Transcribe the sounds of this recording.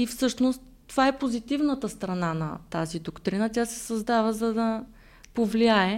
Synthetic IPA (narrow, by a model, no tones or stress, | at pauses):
ifsɤʃnost̪ːovaɛpozit̪ivnət̪əst̪ɾɐnanɐ̰t̪azid̪okt̪ɾinət̪ʲjasɛ̥sɐzd̪avəzɐd̪ɐ | povliaɛ